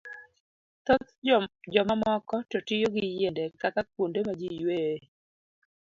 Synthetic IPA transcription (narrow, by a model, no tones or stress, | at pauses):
t̪ɔt̪d͡ʒɔmamɔkɔtɔtɪjoɡɪjendɛkakak̚wondemad͡ʒijwe